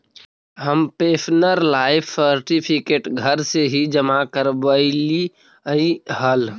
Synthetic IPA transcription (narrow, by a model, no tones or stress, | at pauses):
ɦəmpeːsʰnəɾlaːɪpʰsəɾʈipʰikeːʈɡʱəɾseɦid͡ʒəmakəɾbəli | iɦəl